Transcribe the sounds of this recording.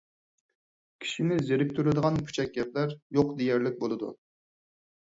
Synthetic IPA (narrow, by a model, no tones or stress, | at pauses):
kʲʰi̥ʃimɪzjeɾɪk̚ʲt̪ʰyɾɪd̪əʁɑnpʰy̥t͡ʃʰɛk̚ʲːɛp̪̚læɾjoqd̪ejæɾlɪk̚ʲbolˠɨd̪ṵ